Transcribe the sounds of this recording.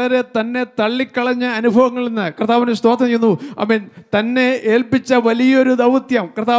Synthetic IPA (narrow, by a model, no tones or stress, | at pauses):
ɐɾe̞t̪ɐnːe̞t̪ɐɭːikːɐɭɐɲːɐɐnubʱɐʋɐŋːɐɭenːɨkrɐt̪ːaːʋɐnest̪oːt̪ʰːɐmɐjunːuɐ̰mːeːnt̪ɐnːe̞eːlpit͡ɕːɐʋɐlijɐo̞ɾud̪ɐʋt̪jɐmkrɐt̪ːaː